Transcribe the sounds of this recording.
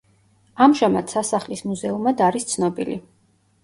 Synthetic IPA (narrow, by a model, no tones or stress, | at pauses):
amʒamad̪̥sasaχlismuzɛumad̪aɾist̪sʰnɔbḭlḭ